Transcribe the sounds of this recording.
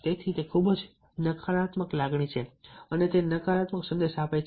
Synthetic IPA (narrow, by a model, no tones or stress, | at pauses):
t̪et̪ʰit̪ekʰubd͡ʒ | nəkʰaɾat̪məklaɡɳ̃it͡ʃʰeənet̪enəkaɾat̪məksə̃nd̪eʃapajt͡ʃ